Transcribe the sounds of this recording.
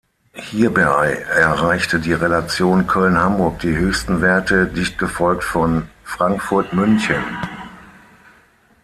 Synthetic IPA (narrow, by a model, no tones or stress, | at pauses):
hiːɐbaaɪʔɛɐʁaɪçtədiːʁelat͡sjoːnkʰœlnhambʊɐk̚d̥iːhøːçstn̩vɛɐtʰədɪçt̚ɡ̥əfɔlktfɔnfʁ̥aŋkfʊɐtmʏnçən